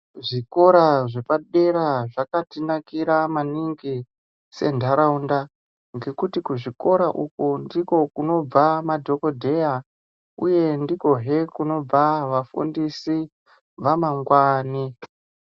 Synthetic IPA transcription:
ʐiko̞ɾaʐe̞paɗe̞ɾaʐakatinakiɾamaniŋɡi | se̞̰ndʱaɾaunda | ŋɡe̞kutikuʐiko̞ɾaʔukundiko̞kuno̞b͡vamadʱo̞ko̞dʱe̞ja | uje̞ndiko̞ɦe̞kuno̞b͡vaʋafṵndisi | ʋamaŋɡwaːni

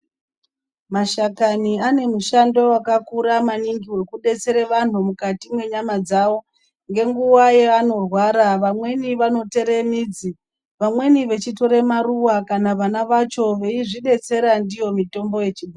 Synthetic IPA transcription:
maʃakaniane̞muʃando̞wakakuɾamaniŋɡiwe̞kuɗe̞t͡se̞ɾeʋan̤umukatimwe̞ɲamad͡zawo̞ | ŋɡe̞ŋɡuwajeano̞rwaɾaʋamwe̞niʋano̞te̞ɾe̞miːd͡zi | ʋamwe̞niʋe̞t͡ʃito̞ɾe̞maruwakanaʋanaʋat͡ʃo̞ʋe̞iʐiɗe̞t͡se̞ɾandijo̞mito̞mbo̞je̞t͡ʃiɓi

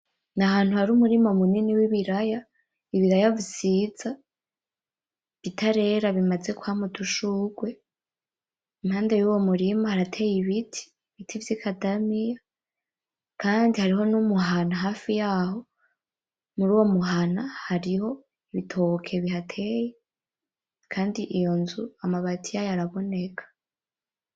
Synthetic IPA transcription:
nahaːn̥huhaɾumuɾimomuniniwiβiɾaja | iβiɾajavisiːz̥a | β̥jitʰaɾe̞ɾaβimaze̞kuhamutuʃuɡwe̞ | imhaːndejuːwo̞muɾimahaɾatʰe̞jiβitʰi̥ | βitʰivjikʰadamija | kaːndihaɾiɦo̞numuɦanaɦaːfijaːho̞ | muɾuːwo̞muɦanahaɾiho̞ | iβitʰokʰe̞βihatʰe̞je | kʰaːndiʔijo̞nzuamaβatʰijajaɾaβo̞ne̞kʰḁ

